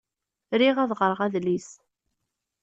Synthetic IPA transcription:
ɾiʁæðʁəɾˤəʁæðlis

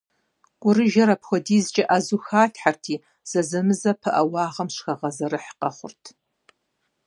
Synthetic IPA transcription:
ɡʷʼʊrɨʒɐɾɐpʰxʷɔdiːzt͡ʃʼɐʔazuxaːɬħartʰiː | z̥ɐzɐmɨzɐpʰɨʔɐwɑːʁɐmʃxɐʁɐzɐɾɨħqɐχʷʊ̰rtʰ

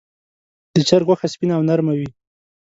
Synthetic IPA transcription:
d̪̥ət͡ʃaɾɣwaxaspinaːwnaɾmawi

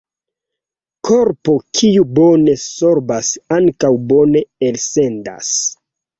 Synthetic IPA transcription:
kʰoɾpo̞kʰiubo̞ne̞so̞ɾbasaŋkawbo̞ne̞else̞nda̰s

